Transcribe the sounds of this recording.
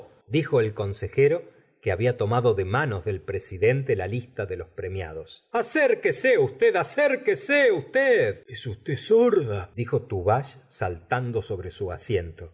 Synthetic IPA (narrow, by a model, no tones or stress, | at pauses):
d̪ixo̞elko̞nse̞xeɾo̞ | keaβiat̪o̞maðo̞ðemano̞zðe̞lpɾesiðe̞nt̪e̞lalist̪aðe̞lo̞spɾe̞mja̰ð̞o̞saseɾkeseust̪eðaseɾkeseust̪eðesust̪esoɾðad̪ixo̞t̪uβaʃsalt̪and̪o̞so̞βɾesuasje̞nt̪o̞